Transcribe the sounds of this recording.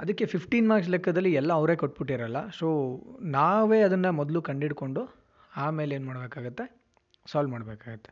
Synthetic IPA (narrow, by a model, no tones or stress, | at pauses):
ɐd̪ɐkːe̞pʰipʰʈiːnmaːks̬lɛkʰːɐd̪ɐlːiɛlːɐːʋɾe̞ːkoʈ̚ːbiʈːiɾɐlːɐ̰soːnaːʋe̞ːɐd̪ɐnːɐmɔd̪lukɐɳɖiɽko̞ɳɖu | aːme̞ːleːnmaːɽbeːkaːɡut̪ːe | saːlmaːɽbeːkaːɡut̪ːe̥